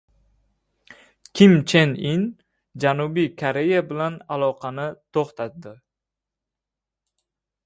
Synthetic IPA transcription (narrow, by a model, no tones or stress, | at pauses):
kʲʰɪmt͡ʃʰenin | d͡ʒanubijkʰaɾe̞jabɪlanalˠɒqʰɑnɪt̪ʰoχt̪at̪d̪ɪ